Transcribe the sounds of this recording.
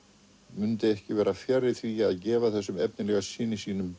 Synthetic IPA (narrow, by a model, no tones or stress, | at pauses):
mʏnt̪ɪɛhcɪvɛːɾafjaɾːɪθviaðcɛːvaθɛsːʏmɛp̚nɪlɛɣasiːnisiːnʏm